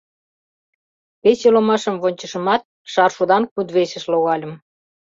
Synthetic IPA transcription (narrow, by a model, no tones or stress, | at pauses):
peselomɑʃəmβonʲt͡ɕə̆ʃə̆mɑt̪̚ | ʃɑrʃud̪ɑnkud̪βesə̆ʃloɣɑlʲə̆m